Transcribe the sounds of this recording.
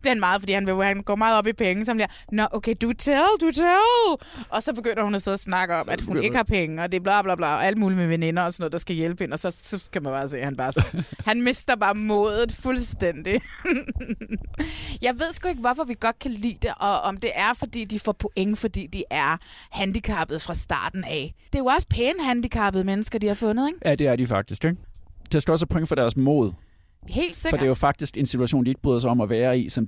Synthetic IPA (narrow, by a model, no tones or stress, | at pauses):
b̥liɐhænmɑ̈ːð̩ˠfɒ̽d̥ḭːhænʋehænɡ̥ɒ̰ːmɑ̈ːð̞̩ˠɒ̽b̥ipʰeŋəsɒ̽mbliɐ | nɒ̽ʔokʰeɪd̥ut͡sʰelˠd̥ut͡sʰelˠʔɒ̽sɒ̽b̥e̝ɡ̥øn̰ɐhunæseæsnɑ̈ɡ̥əɒ̽mʔæd̥hune̝ɡɡəhɑ̈pʰeŋəɒ̽d̥e̝b̥lɑ̈b̥lɑ̈blɑ̈ːɒʔæləmuːlimeʋene̝nɐɒsɒnɔð̥ˠɑ̈sɡ̥æjelb̥he̝nəɒsɒ̽sɒ̽kʰæmænbɑ̈ːse̝̰ːhænb̥ɑ̈ːshænme̝sd̥ɐb̥ɑ̈ːmɔ̽ːð̞ˠð̩ˠfulsd̥en̰d̥i | jɑ̈ɪʋe̝ð̞̰ˠsɡ̥oe̝ɡ̥əʋɒfɒʋiɡ̥ɒ̽d̥̚kʰælḭːd̥e̝ʔɒ̽ɒ̽md̥e̝ʔæɐfɒ̽d̥ḭːd̥ifɒ̰pʰo̝ʔeŋəfɒ̽d̥ḭːd̥iʔæɐhænd̥ikʰɑ̈ːb̥ð̞̩ˠfʁɑ̈sd̥ɑ̰̈ːd̥n̩æd̥e̝jo̝ɒ̽sə̥pʰeːnhænd̥ikʰɑ̈b̥ð̩ˠmenəsɡ̥ɐd̥ihɑ̈fɔ̽nðˠeɡ̥jæd̥e̝æɐd̥ifɑ̈ɡ̥̚d̥isɡ̥eɡd̥æsɡ̥oɒsæpʰoɔeŋəfɒɾ̥æɐsmo̰ːð̞ˠ | he̝̰ːld̥se̝ɡɒ̽ɐd̥e̝jofɑ̈ɡ̥̚d̥isɡ̥e̝nsit͡sʰuæɕo̰ːnd̥ie̝ɡ̥ə̥bʁy̰ːðˠsɑɪɒ̽mæʋæːɐisɒ̽m